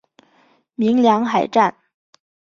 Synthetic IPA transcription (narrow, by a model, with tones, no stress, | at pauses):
mi˧˥ŋljɑ˧˥ŋxa˨˩ɪʈ͡ʂa˥˩n